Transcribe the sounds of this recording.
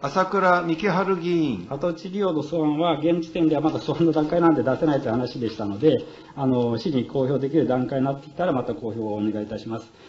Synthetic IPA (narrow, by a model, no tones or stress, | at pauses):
asakɯ̟ɾamʲikʲeɦaɾɯ̟ɡʲiĩŋat̪o̞t͡ɕiɾʲiod̪o̞sɨβãɰ̃βaɡẽ̞ɲd͡ʑi̥t̪e̞nd̪e̞βamad̪asoanːod̪ãŋkainand̪ed̪ase̞nait̪ojɯ̟hanaɕid̪e̞ɕi̥t̪ano̞d̪e̞ | ano̞ɕiɲ̟iko̞ːço̞ːd̪e̞kʲiɾɯ̟d̪ãŋkaiɲinat̪ːekʲi̥t̪aɾamat̪akoːço̞ːne̞ɡait̪aɕimasɨ̥